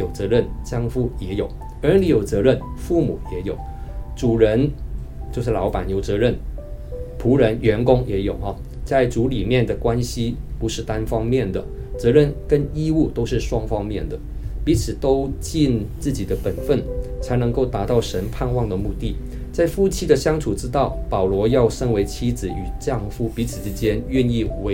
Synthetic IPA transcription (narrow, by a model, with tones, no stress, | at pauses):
jo˨˩ʊt͡sɤ˧˥ɻə˥˩nt͡ɕjɑ˥ŋfu˥jɛ˧˥jo˨˩ʊ | ə˞˧˥ni˧˥jo˨˩ʊt͡sɤ˧˥ɻə˥˩nfu˥˩mu˨˩jɛ˧˥jo˨˩ʊʈ͡ʂu˨˩ɻə˧˥n | t͡ɕjo˥˧ʊʂ̬̩˥˩lɑ˧˥ʊpa˨˩njo˧˥ʊt͡sɤ˧˥ɻə˥˩n | pʰu˧˥ɻə˧˥nɥɛ˧˥nkʊ˥ŋjɛ˧˥jo˨˩ʊxɑ˧˩ | t͡sa˥˩ɪt͡su˧˥li˨˩mjɛ˥˩nd̪ə˩kwa˥nɕi˥pu˧˥ʂɻ̩˥˩t̪a˥nfɑ˥ŋmjɛ˥˩nd̪ə˩ | t͡sɤ˧˥ɻə˥˩nkə˥ni˥u˥˩t̪o˥ʊʂɻ̩˥˩ʂwɑ˥ŋfɑ˥ŋmjɛ˥˩nd̪ə˩pi˧˥t͡sʰɹ̩˨˩t̪o˥ʊt͡ɕi˥˧nt͡sɹ̩˥˩t͡ɕi˨˩d̪ə˦pə˨˩nfə˥˩nt͡sʰa˧˥ɪnɤ˧˥ŋko˥˩ʊt̪a˧˥t̪ɑ˥˩ʊʂə˧˥npʰa˥˧nwɑ˥˩ŋd̪ə˩mu˥˧t̪i˥˩ | t͡sa˥˩ɪfu˥˩t͡ɕʰi˥d̪ə˨ɕjɑ˥ŋʈ͡ʂʰu˨˩ʈ͡ʂɻ̩˥t̪ɑ˥˩ʊpɑ˨˩ʊlwɔ˧˥jɑ˥˩ʊʂə˥nwe˧˥ɪt͡ɕʰi˥d͡zɹ̩˨˩y˨˩t͡ɕjɑ˥˩ŋfu˥pi˧˥t͡sʰɹ̩˨˩ʈ͡ʂɻ̩˥t͡ɕjɛ˥nɥɛ˥˧ni˥˩we˧˥